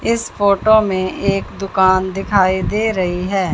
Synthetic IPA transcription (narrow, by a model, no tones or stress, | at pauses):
ɪspʰoːʈoːmẽːʔeːkd̪ʊkaːnd̪ɪkʰaːiːd̪eːɾəiːɦɛː